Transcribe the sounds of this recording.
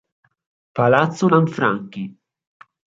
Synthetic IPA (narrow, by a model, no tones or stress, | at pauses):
palat̪sonaɱfɾa̰ŋki